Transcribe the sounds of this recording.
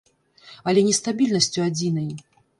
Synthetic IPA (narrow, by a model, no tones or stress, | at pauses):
ɐlʲɛnʲɛst̪abʲilʲnɐsʲt͡sʲuad͡zʲin̪ɐj